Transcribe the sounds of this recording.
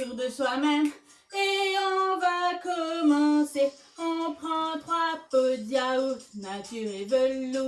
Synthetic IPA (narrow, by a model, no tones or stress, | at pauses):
yʁd̪əswamɛm | eɔ̃vakɔmɑ̃se | ɔ̃pχɑ̃t̪ʁãpod̪jaonat̪yʁevəlo